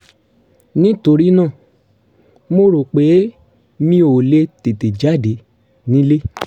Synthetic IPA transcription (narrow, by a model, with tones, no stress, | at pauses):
nĩ˦to˧ɾi˦nã˦˨ | mo˧ɾo˨k͡pe˨˦ | mĩ˧˦o˨le˧te˨te˨d͡ʒa˦˨de˨˦ | nĩ˦le˦